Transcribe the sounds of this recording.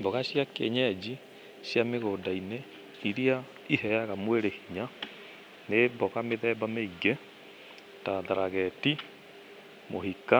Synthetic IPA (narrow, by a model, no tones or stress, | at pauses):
bɔɣaɕjakḛɲɛd͡ʑi | ɕjameɣoːdaine | iɾia | ihɛaɣamweɾehiɲa | nebɔɣameðɛːbameiɡe | taðaɾaɣɛti | moɦika